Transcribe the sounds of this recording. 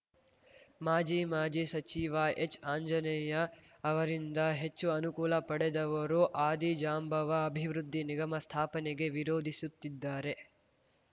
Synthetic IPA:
maːd͡ʒiːmaːd͡ʒisɐt͡ʃiːʋɐʔet͡ʃːaːɲd͡ʒɐnɛjɐ | ɐʋɐɾind̪ɐɦe̞t͡ʃːuɐnukuːlɐpɐɽed̪ɐʋɐɾuʔaːd̪id͡ʒaːmbʱɐʋɐːbʱiʋɾud̪ʱːiniɡɐmɐst̪ʰaːpɐneɡe̞ʋiɾoːd̪ʱisut̪ːid̪ːaːɾe̞

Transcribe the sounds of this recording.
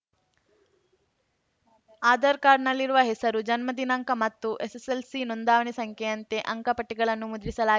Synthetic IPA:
aːd̪ɐɾkaːɾnɐlːiɾuʋɐɦesɐɾud͡ʒɐnmɐd̪inɐŋkɐmɐt̪ːuʔeseselsinond̪aːʋɐɳisɐŋkʰjeɐnt̪e̞ʔɐŋkɐpɐʈːiɡɐɭɐnːumud̪ɾisɐlaː

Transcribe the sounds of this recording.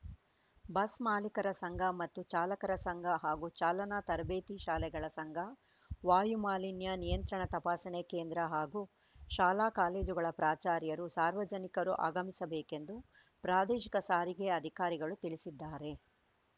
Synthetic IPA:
bɐsmaːlikɐɾɐsɐŋɡʱɐmɐt̪ːut͡ʃaːlɐkɐɾɐsɐŋɡʱɐɦaːɡut͡ʃaːlɐnaːt̪ɐɾbeːt̪iʃaːlɛɡɐɭɐsɐŋɡʱɐ | ʋaːjumaːlinjɐnijɐnt̪ɾɐɳɐt̪ɐpaːsɐɳekeːnd̪ɾɐɦaːɡu | ʃaːlaːkaːle̞ːd͡ʒuɡɐɭɐpɾaːt͡ʃaːɾjɐɾusaːɾʋɐd͡ʒɐnikɐɾuʔa̰ːɡɐmisɐbeːkend̪u | pɾaːd̪eːʃikɐsaːɾiɡeɐd̪ʱikaːɾiɡɐɭut̪iɭisid̪ːaːɾe̞

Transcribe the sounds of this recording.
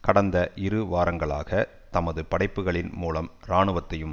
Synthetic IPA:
kɐɽɐnd̪ɐʔɪɾɯʋaːɾɐŋɡɐɭa̰ːɣɐ | t̪ɐmɐðɯpɐɽɐɪpːɯɣɐɭɪnmuːlɐmɾaːɳɯʋɐt̪ːɐjɯm

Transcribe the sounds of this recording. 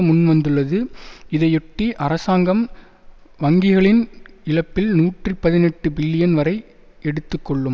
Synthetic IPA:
mʊnʋɐnd̪ɯɭːɐðɯɪðɐɪɔʈːiʔɐɾɐsaːŋɡɐm | ʋɐŋɡɪɣɐɭɪnɪɭɐpːɪlnuːʈripɐðɪnɛʈːɯbɪlːɪjɐnʋɐɾɐɪ | ɛɽɯt̪ːɯkːɔɭːɯm

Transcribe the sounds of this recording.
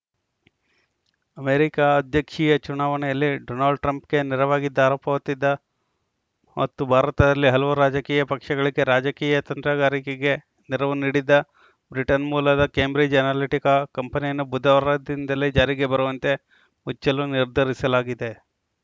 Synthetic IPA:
ɐmeːɾikaɐd̪ʱjɐkʂiːjɐt͡ʃunaːʋɐnɛjɐlːiɖoːnaːlɖʈɾɐmpke̞niɾɐʋaːɡid̪ːaːɾoːpɐʋɐt̪ːid̪ːɐ | mot̪ːubʱaːɾɐt̪ɐd̪ɐlːiɦɐlɐʋuɾaːd͡ʒɐkiːjɐpɐkʂɐɡɐɭiɡe̞ɾaːd͡ʒɐkiːjɐt̪ɐnt̪ɾɐɡaːɾikeɡe̞ | niɾɐʋuniːɽid̪ɐ | bɾiʈɐnmuːlɐd̪ɐkeːmbɾid͡ʒɐnaliʈikɐkɐmpɐnijɐnːubud̪ʱɐʋɐɾɐd̪ind̪ɐled͡ʒaːɾiɡe̞bɐɾuʋɐnt̪e̞ | mut͡ʃːɐluniɾd̪ʱɐɾisɐlaːɡid̪e̞

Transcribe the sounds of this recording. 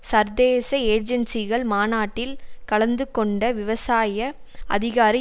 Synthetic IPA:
sɐɾd̪eːsɐeːɾd͡ʒɛnsɪɣɐɭmaːnaːʈːɪlkɐɭɐnd̪ɯkɔɳɖɐʋɪʋɐsaːjɐ | ɐ̰ðɪɣaːɾi

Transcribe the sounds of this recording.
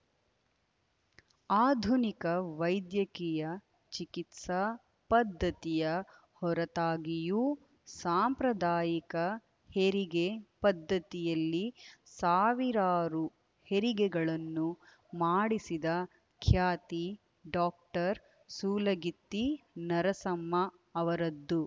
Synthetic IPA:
aːd̪ʱunikɐʋɐjd̪jɐkijɐ | t͡ʃikit̪sɐ | pɐd̪ʱːɐt̪ijɐ | hɔɾɐt̪aːɡiju | saːmpɾɐd̪aːjikɐ | heɾiɡepɐd̪ʱːɐt̪ijɐlːisaːʋiɾaːɾu | heɾiɡɛɡɐɭɐnːu | maːɽisid̪ɐ | kʰjaːt̪i | ɖaːk̚ʈɐɾ | suːlɐɡit̪ːinɐɾɐsɐmːɐː | ʋɐɾɐd̪ːu

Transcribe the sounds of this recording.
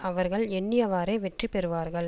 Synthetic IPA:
ɐʋɐɾɣɐɭɛɳːɪjɐʋaːɾeːʋɛʈripɛɾɯʋaːɾɣɐɭ

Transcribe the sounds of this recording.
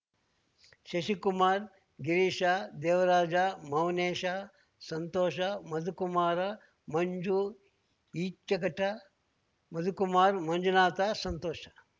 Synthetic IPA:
ʃɐʃikumaːɾ | ɡiɾiʃaːd̪eːʋɐɾaːd͡ʒaːmɐwneːʃaː | sɐnt̪oːʃamɐd̪ʱukumaːɾɐ | mɐɲd͡ʒu | iːt͡ʃɐkɐʈɐ | mɐd̪ʱukumaːɾmɐɲd͡ʒunaːt̪aːsɐnt̪oːʃɐ

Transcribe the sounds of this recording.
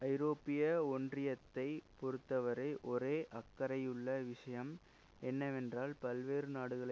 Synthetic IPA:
ɐɪɾoːpːɪjɐɔndrɪjɐt̪ːɐɪpɔɾɯt̪ːɐʋɐɾɐɪʔɔɾeːʔɐkːɐɾɐjɯɭːɐʋɪʂɐjɐm | ɛnːɐʋɛndraːlpɐlʋeːɾɯnaːɽɯɣɐɭ

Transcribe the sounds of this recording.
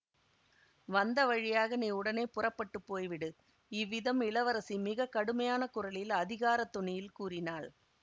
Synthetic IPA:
ʋɐnd̪ɐʋɐɻɪjaːɣɐneʊɽɐneːpʊrɐpːɐʈːɯpːoːjʋɪɽɯ | ɪʋːɪðɐmɪɭɐʋɐɾɐsimɪɣɐkːɐɽɯmɐjaːnɐkʊrɐɭɪlɐðɪɣaːɾɐt̪ːʊɳɪjɪlkuːrɪnaːɭ

